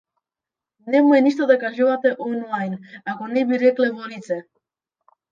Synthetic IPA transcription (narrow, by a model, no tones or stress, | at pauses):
nɛmuɛniʃt̪od̪akaʒuvat̪ɛʔonlajnakonɛbiɾɛklɛvonit̪sɛ